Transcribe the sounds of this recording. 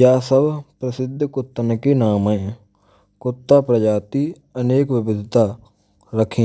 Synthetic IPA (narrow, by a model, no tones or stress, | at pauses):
jaːsəbpɾəsɪd̪ʱːkʊt̪ːənkiːnaːmə | kʊt̪ːaːpɾəd͡ʒaːt̪iː | əneːkʋɪbɪd̪ʱt̪aː | ɾəkʰĩː